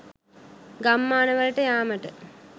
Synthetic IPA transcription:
ɡɐmːaːnɐʋɐɾəʈəjaːmɐʈə

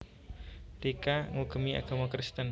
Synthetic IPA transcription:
d̪̥ekaŋuɡəmia̰ɡ̥amakɾɪst̪ən

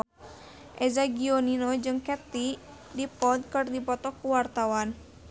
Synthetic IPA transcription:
ʔɛzaɡioninɔd͡ʒɨŋkɛt̪i | dipɔd̪̚kɨrdipɔt̪ɔkuwart̪awan

